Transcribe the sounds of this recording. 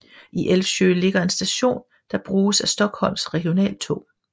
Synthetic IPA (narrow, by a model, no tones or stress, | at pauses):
ʔiʔelfɕø̰le̝ɡ̥ɐe̝nsd̥æɕo̝̰ːn | d̥ɑ̈b̥ʁuːsæsd̥ɒ̽ɡ̥hɒ̽l̰msʁɛɡ̥io̝nɛ̰ːlt͡sʰo̰ː